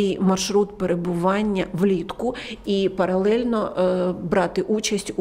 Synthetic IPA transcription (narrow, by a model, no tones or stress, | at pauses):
ɪjmɐrʃɾut̪peɾebʊʋɑnʲːɐʋlʲit̪kʊipɐɾɐlˠɛlʲnɔbɾɑt̪ɪʔut͡ʃɐsʲtʲu